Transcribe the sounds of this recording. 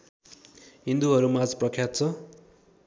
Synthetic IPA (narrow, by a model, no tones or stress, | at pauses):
ɦind̪uɦʌɾumad͡zprʌkʰjat̪̚t͡sʰʌ